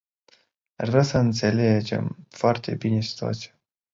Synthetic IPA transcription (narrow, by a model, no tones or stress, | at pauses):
aʒvɾʲasəɨnt̪se̞led͡ʒe̞̰mfoart̪e̞̰bine̞si̥t̪ua̰t̪sija